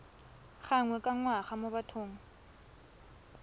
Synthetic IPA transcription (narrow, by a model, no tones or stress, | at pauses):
χaŋwɛkʼaŋwaχamʊbatʰoːŋ̩